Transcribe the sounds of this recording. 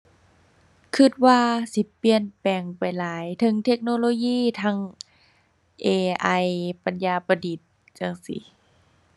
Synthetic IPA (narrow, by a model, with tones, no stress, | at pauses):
kʰɯ˧˩t̪̚waː˧si˧˦pi˧ənpɛː˨˩ŋpa˨˩jlaː˨˦jt̪ʰɤ˧˦ŋt̪ʰe˧k̚noː˧˨loː˧jiː˧˨t̪ʰaː˧˥ŋ | ʔeː˧ʔa˧jpa˨˦njaː˧pa˧diː˨˩t̪̚ | t͡ɕa˧ŋsḭ˨˦